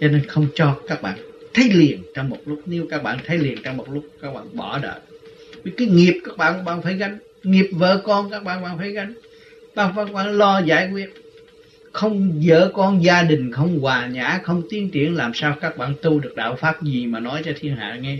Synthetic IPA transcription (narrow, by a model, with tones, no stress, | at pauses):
t͡ɕɔ˧ne˧nxə˧wŋ͡mt͡ɕɔ˧kaː˦˥k̚ɓa̰ː˧˨nt̪ʰə˨˦jli˨˩ənt͡ɕɔ˧ŋ͡mmo˨˩t̚lʊ˦˥k͡p̚ni˨˦əwkaː˦˥k̚ɓa̰ː˧˨nt̪ʰə˨˦jli˨˩ənt͡ɕɔ˧wŋ͡mmo˨˩t̚lʊ˦˥k͡p̚kaː˦˥k̚ɓa̰ː˧˨nɓɔ˧˩ɗə̰ː˧˨vi˨˩kaː˨˦jŋi˨˩əp̚kaː˦˥k̚ɓa̰ː˧˨nka˧˥ɓaː˧˨nfaː˧˩jɣa˧jŋ̟ | ŋi˨˩əp̚və̰ː˧˨kɔ˧nkaː˦˥k̚ɓa̰ː˧˨nɓa̰ː˧˨nfaː˧˩jɣa˧jŋ̟ | ɓaː˧˩faː˧˥kɓa̰ː˧˨nlɔ˧zaː˧˩jkwi˦˥ət̚ | xə˧wŋ͡mzə̰ː˧˨kɔ˧nzaː˧ɗï˨˩ŋ̟xə˧wŋ͡mɣwaː˨˩ɲa̰ː˧˥xə˧wŋ͡mt̪i˨˦ənt͡ɕi˧˩ənlaː˨˩msaː˧wkaː˦˥k̚ɓa̰ː˧˨nt̪u˧ɗɨ˨˩ək̚ɗa̰ː˧˨wfaː˦˥p̚zi˨˩maː˨˩nɔ˨˦jt͡ɕɔ˧t̪ʰi˧ənɦa̰ː˧˨ŋɛ˧